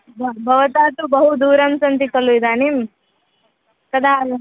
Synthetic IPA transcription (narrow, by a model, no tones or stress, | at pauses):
bbʱɐʋɐt̪aːt̪ubɐɦud̪uːɾɐmsɐnt̪ikɐlujd̪aːnim | kɐd̪ʱal